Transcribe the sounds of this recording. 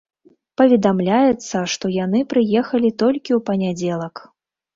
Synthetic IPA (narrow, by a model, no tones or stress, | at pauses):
pɐvʲɛd̪amlʲajɛt̪sːɐʂt̪ɔjan̪ɨpɾɨjɛxɐlʲit̪ɔlʲkʲiwpɐnʲad͡zʲɛlˠɐk